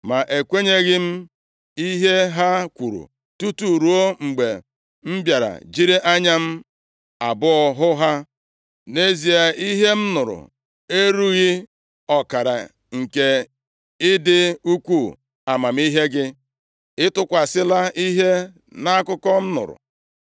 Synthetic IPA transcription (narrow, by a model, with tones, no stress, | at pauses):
ma˨ʔe˨kʷe˦ɲe˦ɣɪ˦m̩˦ | i˦ɦe˦ɦa˦kʷu˨ɾṵ˨ | tu˦tu˨ɾu˨˦o˦ŋ͡m̩˨ɡ͡be˨ | m̩˦bja˨ɾa̰˨d͡ʒi˦ɾi˦ʔa˦ɲa˦m̩˦ | a˨bʊ˦ɔ˨ɦʊ˦ɦa˦ | ne˦zi˨a˨i˦ɦe˦m̩˦nʊ˨ɾʊ̰˨ | e˦ɾu˦ɣi˦ | ɔ˨ka˨ɾa̰˨ | ŋ̩˨ke˨ | ɪ˦dɪ˦u˦kʷu˦˨ | a˨ma˨m̩˦i˦ɦe˦ɡɪ˦ | ɪ˦tʊ˦kʷa˨sɪ˦la˦i˦ɦe˦ | na˦a˦kʊ˦kɔ˦m̩˦nʊ̰˨ɾʊ̰˨